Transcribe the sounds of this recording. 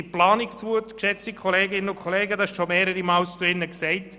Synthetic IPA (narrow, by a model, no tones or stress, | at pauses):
iplɑːniksvuətkʃɛt͡sikʰɔleːɡɪnənʊnkʰɔleːɡəd̪ɑhɛʃʃɔmeːɾəɾimɑːlst͡suɪnːəksɛɪt